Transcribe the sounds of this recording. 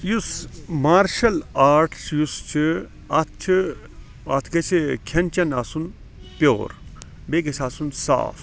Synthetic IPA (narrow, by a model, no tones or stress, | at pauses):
jusmaːɾʃɐlaːɾʈʰt͡ʃʰjust͡ʃʰi | ɐt̪̚ʰt͡ʃʰi | ɐt̪ʰkɐt͡ʃʰikʰɐnt͡ʃɐnasun | pjo̰ːɾ | bekɐsʰasunsa̰ːf